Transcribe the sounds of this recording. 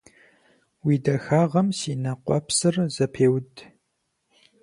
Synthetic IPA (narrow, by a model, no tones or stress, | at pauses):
wiːdɐxaːʁɐmsiːnɐqʷɔpsɨrzɐpʰeːwd